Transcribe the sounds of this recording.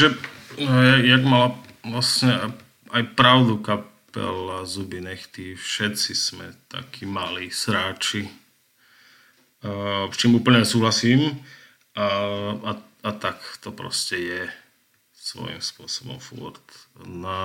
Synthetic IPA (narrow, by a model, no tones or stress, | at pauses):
ʒɛ | jajaɡmalaʋlasɲɛa | ajpɾaʊd̪ukapɛ̰lazubiɲɛxt̪ifʃɛt̪t͡sismɛt̪a̰kʰiːmaliːsɾaːt͡ʃi | st͡ʃiːmuːpl̩ɲɛɛsuːɦlasiːm | a | at̪akt̪ɔpɾɔ̰scɛjɛ | sʋɔ̰jḭmspʊɔsɔbɔ̰mfṵɾt̪na